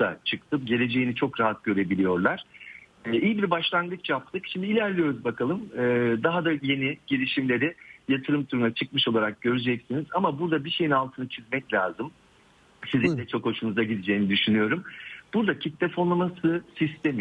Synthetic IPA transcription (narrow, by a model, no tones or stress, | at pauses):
a̰t͡ʃʰɯkt̪ʰɯpɟe̞lʲe̞d͡ʒe̞jinit͡ʃʰo̞kɾaɦat̪̚ɟø̞ɾe̞bilʲijo̞ɾlˠaɾ̥ɛːijibiɾbaʃlˠanɡɯt͡ʃt͡ʃʰjap̚t̪ʰɯkʃimd̪iːlʲæɾlʲijo̞ɾuzbakʰalˠɯmɛːd̪aɦad̪aje̞niɟ̥ilʲiʃimlʲe̞ɾijat̪ʰɯɾɯmt̪ʰuɾunat͡ʃʰɯkmɯʃo̞lˠaɾak̚ɟø̞ɾyd͡ʒɛcsinizamabuɾd̪abiʃe̞jinalˠt̪ʰɯnat͡ʃʰizmɛclʲaːzɯm | sizlʲind̪ʲɛt͡ʃʰo̞kho̞ʃunuzaɟid̪id͡ʒe̞jinid̪yʃynyjo̞ɾumb̥uɾd̪acʰit̪ːɛfolˠamasɯsist̪ʰemi